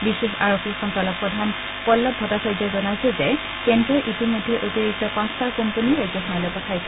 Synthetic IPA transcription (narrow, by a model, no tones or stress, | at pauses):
bisexaɹokʰikxɔntalɔk̚pɹɔdʱan | pɔlːɔp̚ɔtasaɹzɔzɔnajsɛzɛ | kɛndɔʔitimodʱiʔotiɹik̚tɔpãstakompəniɹajɡzɔxɔnalɔjpɔtʰajs